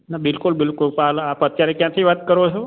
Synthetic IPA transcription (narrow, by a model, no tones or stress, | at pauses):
nabɪlkʊlbɪlkʊlpaɦlapət̪jaɾekjãt̪ʰiʋat̪kəɾʋot͡ʃʰo